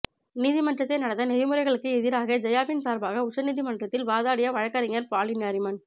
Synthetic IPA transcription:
niːðɪmɐnɖrɐt̪ːɐɪnɐɽɐt̪ːɐnɛɾɪmɯɾɐɪɣɐɭɯkːɯɛðɪɾaːɣɐd͡ʒɐjaːpɪnsaːɾbaːɣɐʊt͡ʃːɐniːðɪmɐnɖrɐt̪ːɪlʋaːðaːɽɪjɐʋɐɻɐkːɐɾɪŋɐɾpaːɭɪnɐɾɪmɐn

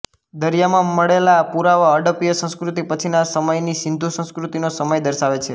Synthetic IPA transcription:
d̪əɾjamãməɭelapuɾaʋaəɖəpijəsə̃skɾut̪ipət͡ʃʰinasəməjniʃɪnd̪ʱusə̃skɾut̪inosəməjd̪əɾʃaʋet͡ʃʰe

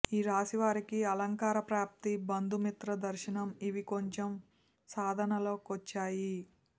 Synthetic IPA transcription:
iːɾaːsiʋaːɾikiɐlɐŋkaːɾɐpɾaːp̚t̪ibɐnd̪ʱumit̪ɾɐd̪ɐɾʃinɐmiʋikoɲt͡ʃem | saːd̪ʱɐnɐlo̞ːkot͡ʃːaːji

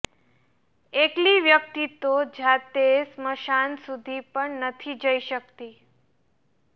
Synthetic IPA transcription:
ekliʋjək̚t̪it̪od͡ʒat̪esməʃansud̪ʱipəɳnət̪ʰid͡ʒəiʃək̚t̪i

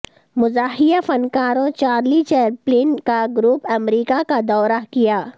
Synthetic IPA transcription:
mʊzaːɦɪjafɐnkaːɾõt͡ʃaːɾlit͡ʃeːɾpleːnkaɡɾuːpɐmɾiːkakad̪ɔːɾakijaː

